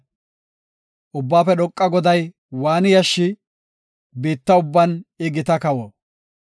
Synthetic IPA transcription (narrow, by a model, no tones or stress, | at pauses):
ʔʊbːaːfɛɗɔkʼːɐɡɔd̪ɐj | waːnɪjɐʃːɪ | biːt̪ːɐʊbːɐnɪɡɪt̪ɐkɐwɔ